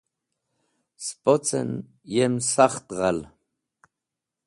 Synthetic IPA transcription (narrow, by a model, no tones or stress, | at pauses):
spʼot͡sʼɛ̰n | jɛmsaχt̪ʁɑl